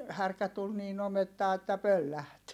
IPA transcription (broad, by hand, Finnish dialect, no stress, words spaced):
hærkæ tul niːn ometːɑː etːæ pølːæht